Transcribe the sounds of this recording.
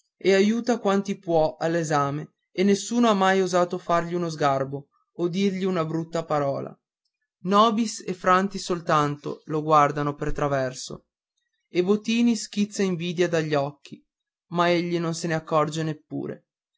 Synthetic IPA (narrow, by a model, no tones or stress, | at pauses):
eajuːt̪akwant̪ipwɔʔalːezaːme | enːesːuːnoamːajozaːt̪ofarʎiunozɡarbo | od̪irʎiunabɾut̪ːapaɾɔːla̰ | nɔːbisefɾant̪isolt̪ant̪o̰loɡward̪anopert̪ɾavɛrso̰ | ebot̪iːnisk̟it̪sːaiɱviːd̪jad̪aʎːɔkːi | maeʎːinonseneakːɔrd͡ʒenepːṵːɾḛ